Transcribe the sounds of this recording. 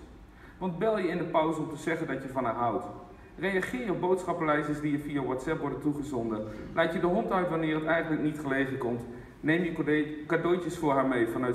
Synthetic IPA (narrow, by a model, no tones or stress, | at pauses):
ʋɑntbɛlˠjəɪndəpawzəɔmtəzɛɣəndɔtjəvɑnɦaːɦawt | rejaχɪːjɔp̚bowtsχɑpəlɛjzəsdiəfiaʋɔtsɛpʋɔɹdətuχəzɔndəlaːtjədəɦɔntœɥtʋanɪːrətɛjɣənləknitχəlejvəkɔmt | nejmjəkadowcəsfʊːɹɦaːɹmejfɑnœ